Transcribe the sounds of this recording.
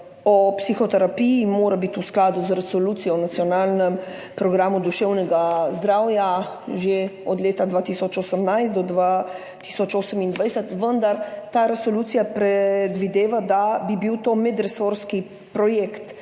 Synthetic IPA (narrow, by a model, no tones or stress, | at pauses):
ɔpsixɔt̪ɛɾapijimoːɾabit̪usklaːd̪uzɾɛsoluːt̪sijɔnat̪sijɔnaːlnɛm | pɾɔɡɾaːmud̪uʃɛwnɛɡazd̪ɾawja | ʒeɔd̪leːt̪ad̪ʋat̪isɔt͡ʃosəmnajst̪d̪ɔd̪ʋa | t̪i̥sɔt͡ʃoːsəmind̪ʋajsɛt̪ʋənd̪aɾt̪aɾɛsoluːt̪sijapɾɛd̪ʋid̪eːʋad̪abibiwt̪oːmɛd̪ɾɛsoɾski | pɾɔjekt̪